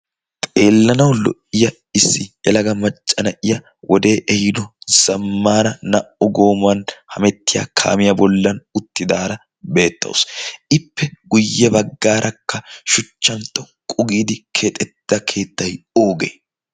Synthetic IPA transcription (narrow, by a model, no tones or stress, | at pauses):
t̪ʼe̞ːlːɐnɐwlɔ̰ʔɪjɐ | ɪsːɪʔɛlɐɡɐmɐt͡ʃʼːɐnɐʔɪjɐ | wʔɔd̪e̞ːʔɛhɪd̪ɔz̥ɐmːaːnɐnɐʔɔɡo̞ːmɐnhɐmɛt̪ːɪja̰ːkʰa̰ːmɪjɐbɔlːɐnʊt̪ːɪd̪aːɾɐ | be̞ːt̪ːɐ̰wʊsɪpːɛɡ̥ʊjːɛbɐɡːaːɾʔɐkːɐʃʊt͡ʃːɐnt̪ːɔ | kʼʊɡiːd̪ɪkʰet̪ʼɛd̪̥ːɐkʰe̞ːt̪ːɐjo̞ːɡḛː